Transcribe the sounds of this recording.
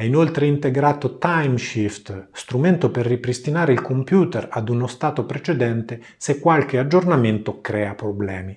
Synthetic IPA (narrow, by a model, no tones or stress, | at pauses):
ɛinolt̪ɾeint̪eɡɾaːt̪ot̪ajmʃift̪st̪ɾument̪operːipɾist̪inaːɾeilkompjuːt̪erad̪unost̪aːt̪opɾet͡ʃed̪ɛnt̪e | sekːwalk̟ead͡ʒːornament̪okɾɛːapɾoblɛːmi